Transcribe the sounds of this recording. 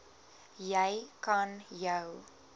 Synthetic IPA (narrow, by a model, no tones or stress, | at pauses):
jɛjkɐnjəw